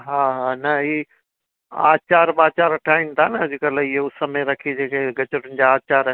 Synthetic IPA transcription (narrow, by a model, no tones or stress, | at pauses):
ɦãːɦanɐi | a̰ːt͡ɕaːɾbaːt͡ɕaːɾɐʈʰaːɪmt̪ʰanɐʊd͡ʑɪkələɪɦoʊsəmẽɾɐkʰid͡ʑeːkʰeɡɐt͡ɕəɽʊnɪ̆d͡ʑaːt͡ɕaːɾ